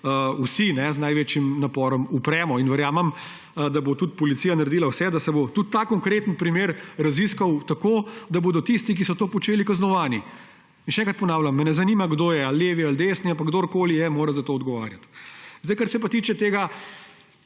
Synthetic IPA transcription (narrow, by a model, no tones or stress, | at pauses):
əusinɛznajʋeːt͡ʃjimnapɔːɾɔmupɾɛːmɔinʋɛɾjaːmɛm | d̪abot̪ut̪̚pɔlit̪siːjanɐɾed̪iːlawsɛd̪asɛbot̪ut̪ːakɔŋkɾeːt̪ənpɾimeːɾɾɐziskɐwt̪akod̪aboːd̪ɔt̪ist̪ik̬isɔt̪oːpɔt͡ʃeːlikaznɔʋaːni | inʃɛɛ̃ŋkɾt̪pɔnaːwlʲamːɛnɛzɐniːmaɡd̪oːjɛalːeːʋiald̪eːsniapaɡd̪oːɾkoːlijɛmoːɾazat̪oːɔd̪ɡɔʋa̰ːɾjat̪zd̪ɛjkəɾsɛp̬at̪it͡ʃɛt̪eːɡa